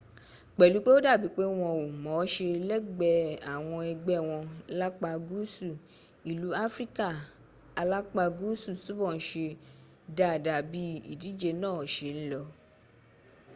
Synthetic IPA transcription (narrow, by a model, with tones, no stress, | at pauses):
k͡pɛ˨lu˨˦k͡pe˦o˦da˦˨bi˨˦k͡pe˦w̃ɔ̃˧o˨mɔ̃˨˦ʃe˧lɛ˦ɡ͡bɛ˧˨a˨w̃ɔ̃˧ɛ˧ɡ͡bɛ˦˨w̃ɔ̃˧la˦k͡pa˧ɡu˦su˦˨ | i˨lu˨˦a˦fɾi˦ka˦˨ | a˧la˦k͡pa˧ɡu˦su˦˨su˦bɔ̃˦˨˦ʃe˧ | da˨da˨bi˦ḭ˦˨di˨˦d͡ʒe˧nãː˦˨ʃe˧˦n̩˦lɔ˧